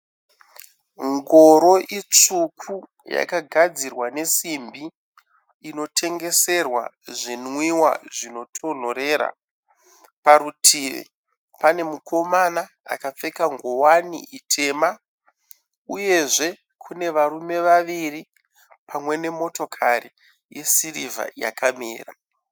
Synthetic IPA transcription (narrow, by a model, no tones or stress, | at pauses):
ŋɡoɾo̞ʔit͡ʂukʰu | ja̰kaɡʱad͡zirwane̞simbiː | no̞tʰe̞ŋɡe̞se̞rwa̰ | ʐinwiwa̰ʐino̞tʰo̞n̤oɾe̞ːɾa̰ | paɾutʰiḭ | pane̞mukʰo̞mana | a̰kap͡fe̞kaŋɡowanḭʔitʰe̞ːma | uje̞ʐe̞ | kʰune̞ʋaɾume̞ʋaʋiri | pʰamwe̞ne̞mo̞to̞kʰaɾi | jḛsirivʱa̰ja̰kʰamḛːra̰